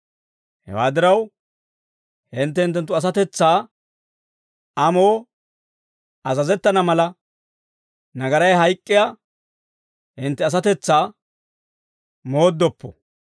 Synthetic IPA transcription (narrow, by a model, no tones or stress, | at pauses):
hɛ̰wa̰ːd̪ɪɾɐw | hɪnt̪ːɛhɪnt̪ːɛnt̪ːʊɐs̬ɐt̪ɛt͡sːaː | ɐmoː | ɐzɐzɛt̪ːɐnɐmɐlɐ | nɐɡɐɾɐjɦɐjkʼːɪja | ɪnt̪ːɛɐs̬ɐt̪ɛt͡sːaː | mo̞ːd̪ːɔpːɔ̰